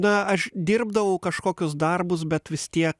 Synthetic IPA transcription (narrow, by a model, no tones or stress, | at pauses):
nɐɐʃd̪ʲiːrbd̪ɐʋɐʊkɐʃkoːkʲʊs̬d̪ɐrbʊsbʲɛt̪ʋʲɪst̪ʲiɛk